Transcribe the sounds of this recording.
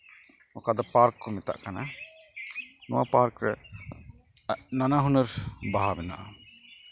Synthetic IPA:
ɔkad̪ɔpaɾkːɔmɛt̪a̰ʔkana | nɔ̰wa̰paɾkɾɛ̰ | nanaɦunəɾbaɦabɛna̰ʔa

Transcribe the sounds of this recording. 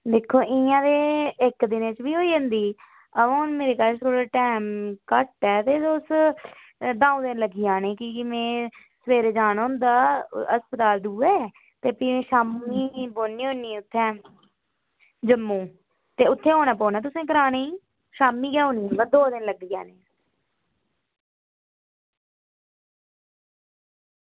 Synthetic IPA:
d̪eːkʰːoːʔɪãːd̪eːɪkd̪ɪnt͡ʃbiːɦoːiːɦə̃nd̪iː | əʋãːʊnmeːɾeːkaːt͡ʃtoːɽeːʈɛːmkəʈːɛːt̪eːʊs | d̪ãːũːd̪ɪnləɡiːãːnẽːkimẽː | sʋeːɾeːd͡ʒaːnɦʊ̃nd̪aːəspət̪aːld̪uːɛː | t̪eːpiːmẽːʃaːmiːboːnːiːɦõːnːiːʊt̪ʰːɛ̃ː | d͡ʒəmːũː | t̪eːʊt̪ʰːẽːɦoːnaːpoːnaːt̪̬ʊsẽːk̬əɾaːneːiː | ʃaːmiːɡɛːõːniːɛbəd̪oːd̪ɪnləɡ̚d̪iːɡɛ̰ːneː

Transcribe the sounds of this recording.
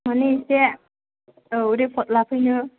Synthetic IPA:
manise | ɯuɾepʰɔt̪̚lapʰɯjnɯ

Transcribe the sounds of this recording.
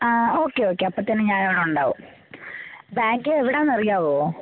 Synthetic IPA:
aːo̞ːkːeo̞ːkːeɐpːɐt̪ːɐnːɨɲaːneʋɐɳuɳɖaːʋṵ | baːŋɡɨeʋiɽeːnːɐrijaːʋoː

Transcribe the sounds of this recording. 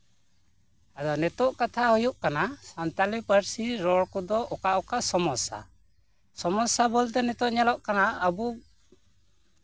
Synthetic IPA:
ad̪ɔnɛt̪ɔʔkat̪ʰaɦujuʔkanasant̪alipəɾsiɾɔɽkɔd̪ɔʔɔkaʔɔkasɔmɔsa̰ | sɔmɔsabɔlt̪ɛnɛt̪ɔʔɲɛlɔʔkanaabu

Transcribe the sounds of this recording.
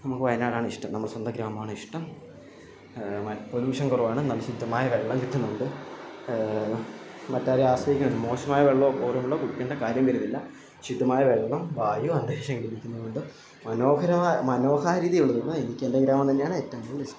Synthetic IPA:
nɐmukːɨʋɐjɐnaːɽaːɳɨiʂʈɐmnɐmːɐɭswɐnd̪ɐɡɾaːmɐmaːɳɨiʂʈɐm | ɐpoluːʂɐŋkuruʋaːɳɨnɐmːɐɕid̪ʱːɐmaːjɐʋeɭːɐmkit̪ːunːuuɳɖɨ | mɐtːaːɾeaːsʋɐjikʲːuɳnɨmo̞ːɕɐmaːjɐʋeɭːoːkuːrɐmuɭːoːkuɽukʲːeːɳɖɐkaːɾjɐmʋɐɾunːilːɐ | ɕid̪ʱːɐmaːjɐʋeɭːɐmʋaːjuɐnd̪eːɕɐmkiɽik̪ʲːunːuðuɳɖɨ | mɐno̞ːkɐɾɐmaːjmɐno̞ːkʰaːɾiːðijuɭːɐðonːɐenikʲːe̞ndeɡɾaːmɐmt̪ɐnːejaːɳɨetːɐmuɭːis

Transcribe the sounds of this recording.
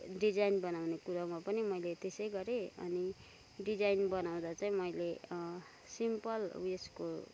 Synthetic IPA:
ɖid͡zajnbʌnawnekuɾamapʌnimʌjlet̪esʌjɡʌɾeʌ̰ni | ɖid͡zajnbʌnaw̃d̪at͡saĩmʌjle | simpʌlesko̰

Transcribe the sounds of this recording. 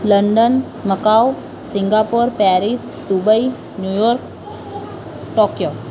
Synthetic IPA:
ləɳɖən | məkaw | sɪ̃ŋɡaːpoɾpɛɾis | d̪ubəi | njujɔɾk | ʈokjo

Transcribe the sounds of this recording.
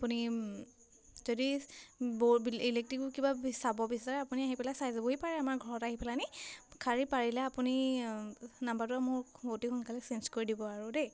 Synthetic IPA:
apuni | zodibobiilek̚tɹikʊkibabsabɔbisaɹɛapuniaɦipɛlasajziboɦipaɹɛamaɹɡʱɔɹɔtaɦipɛlanikʰaɹipaɹilɛapuni | nambatʊamʊɹbotixʊnkalɛsinskoɹidibɔaɹude

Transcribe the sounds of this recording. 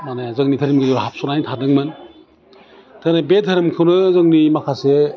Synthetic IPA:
manezɯŋnitʰaɾimɡɯɾibaɦap̚sɔnajntʰadɯŋmɯn | tʰanebedʰʱaɾɯmkʰɯwnɯzɯŋnimakʰase

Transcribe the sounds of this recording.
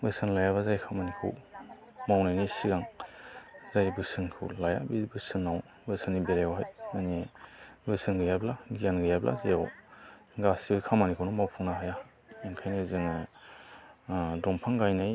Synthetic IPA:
bɯsɯnlajabazajkʰamanikʰɯ̰w | mawnajnisiɡaŋ | zajbɯsɯnkʰɯ̰wlaja̰bibɯsɯnːaw | bɯsɯnːibeɾajawɦajanibɯsɯnɡɯjablaɡijanɡɯjablʔa̰zejaw | ɡasibɯkʰamanikʰɯwnɔmawpʰuŋnaɦaja | eŋkʰajnajzɯŋɯ | dɔmpʰaŋɡajnaj

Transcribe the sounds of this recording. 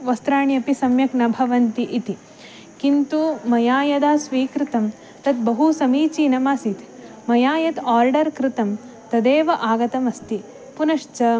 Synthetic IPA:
ʋɐst̪ɾaːɳjɐpisɐmjɐknɐbʱɐʋɐnt̪iʔit̪i | kint̪umɐjaːjɐd̪aːsʋiːkɾɪt̪ɐm | t̪ɐt̪̚bɐɦusɐmiːt͡ʃiːnɐmasit̪ | mɐjaːjɐt̪aːɾɖɐɾkɾɪt̪ɐm | t̪ɐd̪eːʋɐʔaːɡɐt̪ɐmɐst̪i | punɐʂt͡ʃɐ

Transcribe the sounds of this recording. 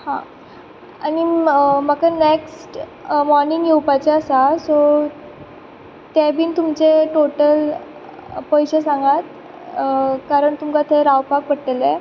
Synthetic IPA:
hã̰ | animəkaneksʈ | mɔɾniŋɡjewpat͡ɕeəsasɔ | t̪ɛbiːnt̪umt͡seʈoʈəl | pəjɕesãŋɡat̪̚ | kaɾəɳt̪umkat̪ʰeɾawpak̚pəʈʈːəle

